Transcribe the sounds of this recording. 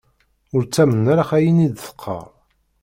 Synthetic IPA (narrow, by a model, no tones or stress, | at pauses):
ʊɾt͡sːæmənːaɾaχæjinid̪θə̥qʰːɑ̰ʁ